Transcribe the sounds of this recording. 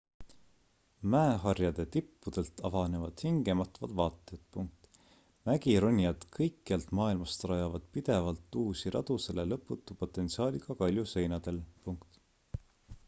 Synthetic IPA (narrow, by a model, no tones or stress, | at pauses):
mæeɦɑrjɑd̪̥e̞t̪ipːud̪̥e̞lt̪ɑvɑne̞vɑd̪̥hiŋɡ̥e̞mɑt̪vɑd̪̥vɑːt̪ːˑe̞t̪̚puŋk̚t̪ | mæɡiɾunʲːjɑd̪̥kʰɤjkːiɑlt̪mɑːilmɑst̪rɑjɑvɑd̪̥pid̪̥e̞vɑlt̪ːˑuːsiɾɑ̰d̪̥use̞lelɤpːˑut̪ːˑupo̞t̪ːˑe̞nt̪siɑːlʲiɡ̥ɑkɑlʲjuse̞jnɑd̪̥e̞lpuŋkt̪